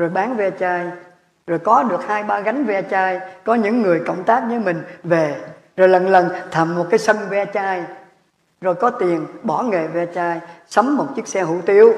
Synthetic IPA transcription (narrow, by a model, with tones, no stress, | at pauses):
zo˨˩jɓaː˨˦nvɛ˧t͡ɕaː˧j | zo˨˩jkɔ˨˦ɗɨ˨˩ək̚haː˧jɓaː˧ɣa˨˦jŋ̟vɛ˧t͡ɕaː˧jkɔ˨˦ɲɨ̰˧˥ŋːɨ˨˩əjkə̰˧˩wŋ͡mt̪aː˦˥k̚ɲɨː˨˦jmï˨˩ŋ̟ve˨˩ | zo˨˩jlə˨˩nlə˨˩nt̪ʰə˨˩mːo˨˩t̚kaː˨˦jsə˧nvɛ˧t͡ɕaː˧j | zo˨˩jkɔ˨˦t̪i˨˩ənɓɔ˧˩ŋe˨˩vɛ˧t͡ɕaː˧jsə˨˦ŋ͡mːo˨˩t̚t͡ɕɨ˦˥ək̚sɛ˧hṵ˧˩t̪i˧əw